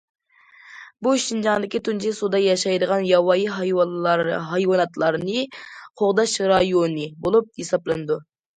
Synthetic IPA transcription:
buʃind͡ʒɑŋd̪ɪkʲit̪ʰunt͡ʃʰisud̪ɑjɑʃɑjd̪əʁɑnjɑwɑjiɦ | ɦɑjwɑnɑt̪lˠɑɾnɨqʰoʁd̪ɑʃɾɑjonɨbolˠup̚jesɑplˠɨnɨd̪u

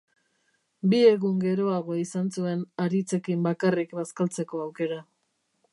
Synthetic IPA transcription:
bie̞ɣuŋɡe̞ɾo̞aɣ̞o̞isansue̞naɾit͡se̞kimbakarikbaskalt͡se̞ko̞awke̞ɾa

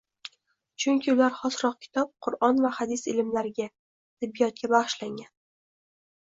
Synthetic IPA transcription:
t͡ʃʰʊŋʲkʲɪʊlaɾχɒsɾɒq̚kʲʰɪ̥t̪ʰɒp̚qʰʊɾɒnvahad̪ɪsɪlɪmlaɾɪɡʲa | t̪ʰɪbːijɒt̪̚kʲabaʁɨʃlaŋɡʲan

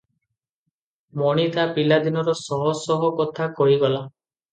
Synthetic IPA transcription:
mɔɽ̃it̪apilad̪inɔɾɔsɔɦɔsɔɦɔkɔt̪ʰakɔɦiɡɔla

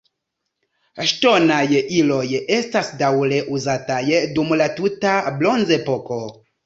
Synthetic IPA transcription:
ʃto̞najilo̞je̞stasdawle̞ʔuzatajdumlatutablo̞nze̞po̞ko̞

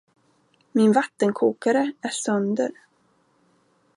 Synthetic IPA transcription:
mɪnvat̪ːənkʰuːkaɾəæʂœnd̪ə̰ɾ

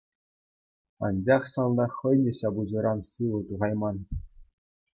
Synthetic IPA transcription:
ɑ̰nd͡ʑɑχsɑnˠd̪ɑχɤ̆jnʲɘ̆ɕɑbud͡ʑɤ̆ɾɑnsɯʋɤ̆t̪uʁɑjmɑn

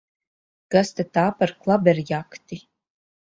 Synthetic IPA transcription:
ɡ̥ast̪at̪aːpaɾklˠabɛɾjakt̪i

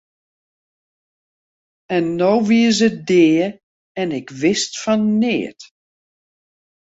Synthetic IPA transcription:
ɛnːowʋiəzədɪːə | ɛnɪkʋɪstfɔnːɪːət

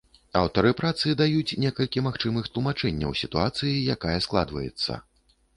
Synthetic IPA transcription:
awt̪ɐɾɨpɾat̪sɨid̪ajut͡sʲnʲɛkɐlʲkʲimaxt͡ʂɨmɨxt̪lˠumat͡ʂɛnʲːɐ̰wsʲit̪uat̪sɨjijakajɐsklˠa̰d̪vɐjɛ̰t̪sːɐ̰

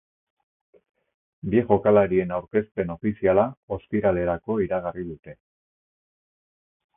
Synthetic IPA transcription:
bieʝo̞kalaɾie̞nawɾke̞spe̞no̞fisialao̞spiɾale̞ɾako̞iɾaɣ̞ariðut̪e̞

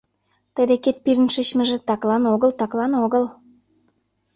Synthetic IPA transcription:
t̪ə̆d̪eket̪̚piɾənʃət͡ɕmə̆ʒĕt̪ɑklɑnoɣəlt̪ɑklɑnoɣəl

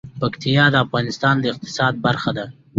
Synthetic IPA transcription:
pakt̪ijɑd̪əafɣɑnɪst̪ɑnd̪əɪq̚t̪ɪ̥sɑd̪̚baɾxad̪a

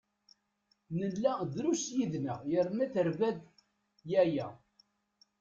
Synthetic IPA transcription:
nənːæðɾusjiðnəjəɾmæθəɾvæð | jæjæ

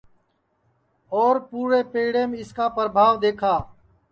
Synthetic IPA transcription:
ɔːɾpuːɾeːpeːɽeːmẽːɪskaːpəɾbʱaːʋd̪eːkʰaː

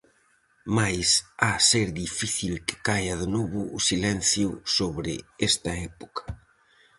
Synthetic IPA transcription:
majsaseɾðifiθilkɪ̥kajɐðenɔβʊːsilɛn̟θjusoβɾɪ̰est̪ɐɛpo̥kɐ̥

